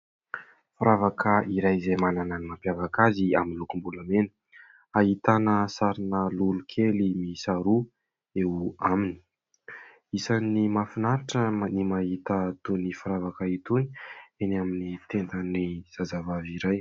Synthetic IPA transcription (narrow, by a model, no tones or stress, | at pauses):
faɾavakəiɾajzemananənimampjavakaziaminlukumbulamenə̥ | aɦit̪anəsaɾinəlulukʰelimisaɾu | eamini̥ | isanimafinaɾaʈ͡ʂənimaɦit̪ət̪unifaɾavakəit̪unienaminit̪end̪əniz̥azavaviɾaj